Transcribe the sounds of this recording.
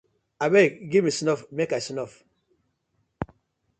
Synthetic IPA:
abɛɡivmisnɔfmekasnɔf

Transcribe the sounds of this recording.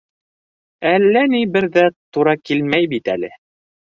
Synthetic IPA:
ælːænibɘɾðæt̪uɾɑkilmæjbit̪æ̰lɘ̰

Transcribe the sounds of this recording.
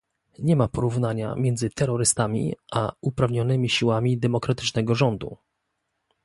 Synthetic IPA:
ɲɛmapɔɾuvnaɲa̰mʲjɛnd̪zɘt̪ɛɾɔɾɘst̪amʲḭaupɾavɲɔnɘmʲiɕiwamʲid̪ɛmɔkɾat̪ɘ̥t͡ʂnɛɡɔʐɔnd̪ṵ

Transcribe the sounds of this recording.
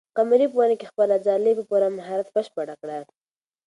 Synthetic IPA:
qamɾip̬uwanekexpəlazɑlepəpuɾamaɦaɾat̪bəʃpəɽakɽa

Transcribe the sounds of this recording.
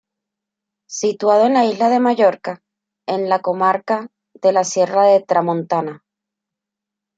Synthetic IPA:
sit̪wað̞oe̞nlaizlaðe̞maʝo̞ɾka | e̞nlako̞maɾka | ðe̞lasje̞raðe̞t̪ɾamõnt̪ana

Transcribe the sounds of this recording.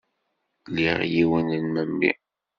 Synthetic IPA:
liʁjiwənənməmbḭ

